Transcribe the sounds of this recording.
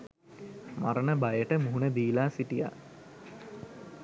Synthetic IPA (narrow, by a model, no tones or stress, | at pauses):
maɾənəbajəʈəmuɦunəd̪iːlaːsiʈija̰